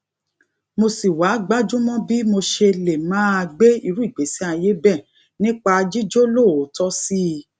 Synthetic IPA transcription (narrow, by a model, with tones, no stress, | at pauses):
mo˧si˨wa˨˦ɡ͡ba˦d͡ʒũ˦mɔ̃˦bi˦mo˧ʃe˧le˨mãː˨˦a˧ɡ͡be˦i˧ɾu˦i˦˨ɡ͡be˨˦si˦a˧je˦bɛ˦˨ | nĩ˦k͡pa˧d͡ʒi˦d͡ʒo˦lo˦˨o˨˦tɔ˦si˦˧